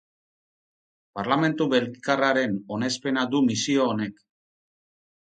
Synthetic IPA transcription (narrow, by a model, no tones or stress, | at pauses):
paɾlame̞nt̪uβelikaraɾe̞no̞ne̞spe̞nad̪umisio̞ːne̞k